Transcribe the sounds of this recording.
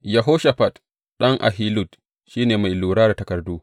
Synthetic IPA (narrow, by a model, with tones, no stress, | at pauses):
jɐ˨ɦo˦ʃa˨ɸa˨t | ɗɐ˦ŋʔa̰˨ɦi˦lu˦˨t | ʃiː˦neː˨ma˨jluː˨ɽaː˦da˨tɐ˨kɐ˨rduː˦